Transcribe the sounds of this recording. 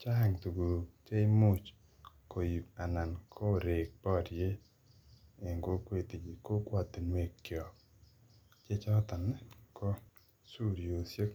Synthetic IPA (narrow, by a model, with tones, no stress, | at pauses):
t͡ʃa˦ɛ˨ŋt̪u˨ɡu˨t͡ʃe˦ɪ˦mu˦t͡ʃ | ko˨ja˨na˨nkʰɔ˦˨ɾe˨k̚pɔ˦˨dje˦ | e˨ŋɡo˦ke˦˨t̪i˨d͡ʒi˨ko˦kwa˦˨t̪ːe˨nwe˨kjɔ˨k | t͡ʃe˦t͡ʃa˦t̪a˨nɛ˨kɔ˦ | su˦ɾjo˨sje˦k